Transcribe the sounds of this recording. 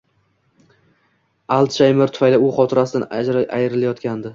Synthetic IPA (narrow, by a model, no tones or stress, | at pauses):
alˠt̪ʃajmɪɾt̪ʰʊ̥fajlɪʊχɒt̪ʰɪɾasɪd̪and͡ʒɾʔajɪɾɪlajɒt̪kʲand̪ɪ